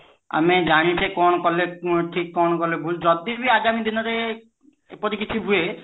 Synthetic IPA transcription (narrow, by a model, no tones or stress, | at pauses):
a̰mid͡ʒaɽ̃it͡ʃʰekɔnɔkɔleʈʰikːɔnɔkɔlebʱuld͡ʒɔd̪iɾbiaɡamid̪inɔɾe | pɔt̪ikit͡ʃʰibʱue